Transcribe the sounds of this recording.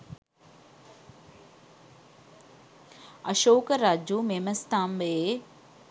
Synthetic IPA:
ɐʃoːkəɾaːd͡ʑuːmeːməst̪aːmbe

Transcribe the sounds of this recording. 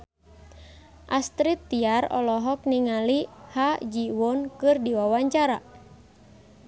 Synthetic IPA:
ʔast̪ɾit̪ːiarɔ̰lɔɦɔk̚niŋalihad͡ʒiwɔnkɨrdiwawaɲt͡ʃaɾa̰

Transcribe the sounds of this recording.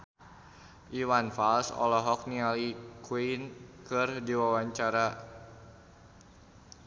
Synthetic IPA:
ʔiwanfalsɔ̰lɔɦɔk̚nialikwinkɨrdiwawaɲt͡ʃaɾa

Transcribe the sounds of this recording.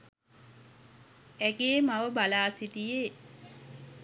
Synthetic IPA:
æɡeːmaʋəbalaːsit̪ijeː

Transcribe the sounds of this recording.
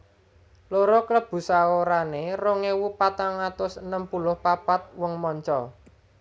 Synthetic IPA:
loɾɔkləb̥ṳsaoɾaneroŋewupat̪aŋat̪ʊsənəmpulʊhpapat̪̚wɔŋmɔɲt͡ʃɔ

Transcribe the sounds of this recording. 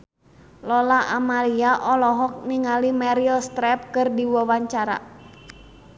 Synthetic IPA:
lɔlaʔamaliaʔɔlɔɦɔk̚niŋalimaɾiɔst̪ɾɛp̚kɨrdiwawaɲt͡ʃaɾa̰

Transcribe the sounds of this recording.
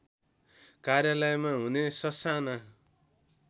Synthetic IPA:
karjalʌjmaɦunesʌsana

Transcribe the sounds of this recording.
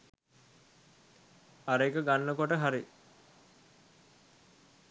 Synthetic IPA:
aɾəikəɡanːəkoʈəɦaɾi

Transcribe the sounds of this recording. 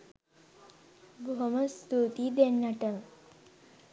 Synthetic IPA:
bomɐst̪ut̪id̪enːɐʈɐm

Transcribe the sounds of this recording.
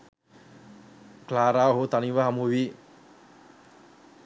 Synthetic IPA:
klaːɾaːɦot̪aniʋəɦamuʋi

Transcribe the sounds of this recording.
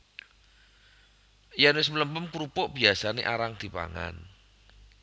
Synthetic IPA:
janwɪs̬mələmpəmkuɾupʊʔb̥iasanḛʔaɾaŋd̪̥i̤pa̰ŋa̰n

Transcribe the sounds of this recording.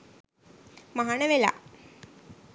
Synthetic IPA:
maɦaɳəʋela̰

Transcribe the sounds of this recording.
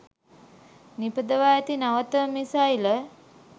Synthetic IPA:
nipəd̪əʋaːjat̪inaʋət̪əmisajlə

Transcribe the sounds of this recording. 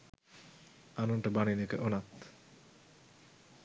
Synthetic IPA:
anunʈabaninekḛʔonat̪

